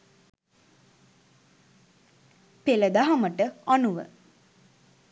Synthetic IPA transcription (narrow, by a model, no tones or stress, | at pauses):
peləd̪aɦaməʈəanuʋə̰